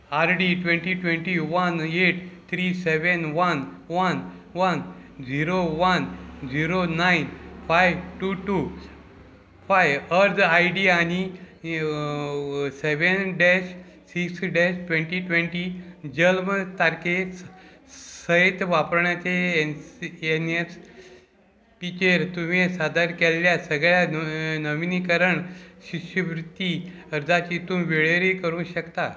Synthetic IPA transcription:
aɾɖiʈʋẽɳʈiʈʋẽɳʈiʋəneʈt̪ʰɾiseʋənʋənʋən | ʋənd͡ziɾoʋənd͡ziɾonainfajʋʈuʈu | fajʋəɾd̪ajɖiani | seʋenɖɛs | siksɖesʈʋẽɳʈiʈʋeɳʈiːd͡ʑəlmət̪aɾkes | səet̪ʋapɾɳjat͡ɕe | enes | pit͡ɕeɾt̪um̤isad̪aɾkelːjasəɡɭjanəʋinikəɾəɳɕiɕəʋɾut̪ːiəɾd͡z̪ʱat͡ɕiːt̪umʋeɭeɾiːkəɾũːnɕəkt̪a

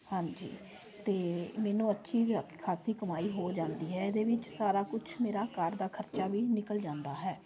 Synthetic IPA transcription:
hãɲd͡ʒḭː | t̪eːmɛːnũːətːʃʰiːkʰaːsiːkəmaːiːɦoːd͡ʒãːnd̪iːɦɛːɪd̪eːʋɪt͡ʃsaːɾaːkʊt͡ʃʰmeːɾaːkaɾd̪aːkʰəɾt͡ʃaːʋiːnɪkəld͡ʒãːnd̪aːɦɛː

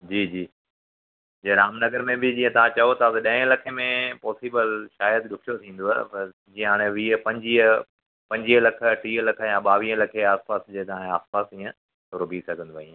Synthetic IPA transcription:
d͡ʑiːd͡ʑiː | d͡ʑeɾaːmnɐɡəɾmẽbɪd͡ʑiːə̃t̪ɐʋ̤ãt͡ɕɐjot̪ʰat̪ɐɗɐ̃ɪ̃lɐkʰemẽpɔːsiːbəlʃaːjəd̪ɗʊkʰijot̪ʰĩːn̆d̪oaɦpɐ | d͡ʑĩːə̃ɦaːɽ̃ẽʋiːəpɐ̃ɲd͡ʑiːə | pɐ̃ɲd͡ʑiːɦəlɐkʰə̆ɐʈʰiːəlɐkʰə̆jãɓaːʋiːə̃lɐkʰeaːspaːsd͡ʑeːt̪ɐʋãẽaːspaːsĩːə̃ | t̪ːɾʊbisɐɡʱə̃nd̪oaĩ

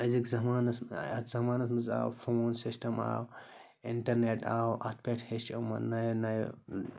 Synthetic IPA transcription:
ɐzikzɐmaːnɐsɐt̪ʰzɐmaːnɐsmɐza̰ːwfʰoːnsisʈɐma̰ːw | ɪɳʈɐɾneʈaːwɐ̰t̪̚ʰpeʈʰhest͡ʃɐmɐnɐjnɐj

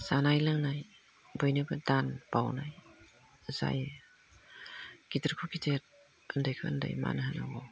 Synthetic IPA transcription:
sanajlɯŋnaj | bɯjnɯbɯdanb̥awnaj | za̰j | ɡ̥itəɾkʰukiteɾ̚ | əndajkʰɯə̰nda̰jma̰nɯɦanaɡɔ

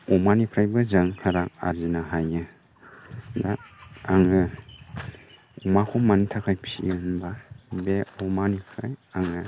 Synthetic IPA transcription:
ɔmanipʰɾajbɯzaŋhʰaɾak̚a̰ɾzinaɦajɯ | daaŋɯ | makʰɔmanitʰakʰajpʰḭɯnbabeɔmanipʰɾajaŋɯ

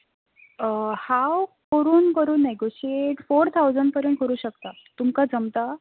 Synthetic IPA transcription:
hawkəɾuːnkəɾuːnːeɡoɕieʈfoɾt̪ʰawd͡zəɳɖpəɾjuːnkəɾuːɕəkt̪a | t̪umkad͡zəmt̪a

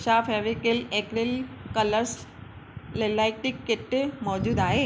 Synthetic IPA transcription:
ʃaːfeʋikelekɾelkələɾs | lelaːɪk̚ʈikːet̪emɔːd͡ʑuːd̪aːɦe

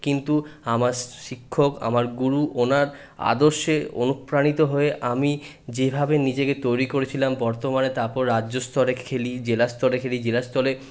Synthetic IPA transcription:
kint̪uamaɾʃikʰːoka̰maɾɡuɾuʔonaɾ | a̰d̪oɾʃeo̰nukpɾanit̪oɦoeʔami | d͡ʑebʱabenid͡ʑeket̪ojɾikoɾet͡ɕʰilambɔɾt̪omanet̪aɾpɔɾːadːʑost̪ʰɔɾekʰelid͡ʑelast̪ɔlekʰelid͡ʑelast̪ɔle

